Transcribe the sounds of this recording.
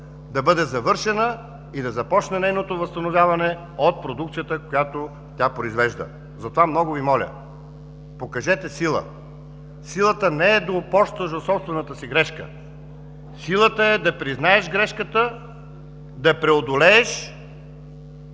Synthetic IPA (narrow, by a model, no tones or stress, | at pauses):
d̪ɐbɤd̪ɛzɐvɤɾʃɛnə | id̪ɐzɐpɔt͡ʃnɛnɛjnot̪ovɐst̪ɐnovʲjavɐnɛ | ot̪̚pɾod̪uk̚t̪sijət̪əkojat̪o | t̪ʲapɾoizvɛʒd̪ə̰ | zɐt̪ovamnɔɡʊvimɔlʲə̰ | pokɐʒɛt̪ɛsilˠə̰ | silˠət̪ənɛːd̪opɔʃt̪əʒd̪ot̪sɔpst̪vɛnət̪əsiɡɾɛʃkə̰ | silˠət̪əɛd̪ɐpɾiznaɛʒɡɾɛʃkət̪ə | d̪ɐpɾɛod̪olɛːʃ